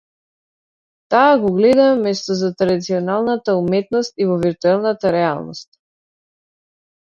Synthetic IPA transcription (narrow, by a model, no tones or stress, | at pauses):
t̪aːɡɔɡlɛd̪amɛmɛst̪ɔzat̪ɾad̪it̪siɔnalˠnat̪aumɛt̪nɔst̪ivɔviɾt̪uɛlˠnat̪aɾɛa̰lˠnɔ̰st̪̚